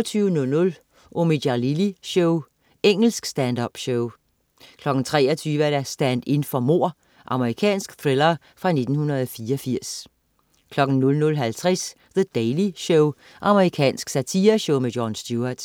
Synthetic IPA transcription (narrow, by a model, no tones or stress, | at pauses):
t͡sʰyːʊənɔ̽lnɔ̽l | ʔomidɑliliɕoʊ | eŋ̰l̩sɡ̥sd̥ænd̥ɒb̥ɕɔʊ | kʰlɒ̽ɡ̥n̩t͡sʰʁɛ̰ːɒt͡sʰyːʋəæɐɾæsd̥ænd̥e̝nfɒ̽mo̝̰ɐ̰ | ʔɑ̈məʁikʰɛ̰ːnsɡ̥θʁelɐ | fʁɑ̈ne̝d̥n̩hunɐðˠɒfiːɐɒfiɐ̰s | kʰlɒ̽ɡ̥n̩nɔ̽lnɔ̽lɦælt͡sʰʁɛs | ðəd̥eliɕɔʊ | ʔɑ̈məʁikʰɛ̰ːnsɡ̥sæt͡sʰiːɐɕoʊme̥jɒnsd̥juɐd̥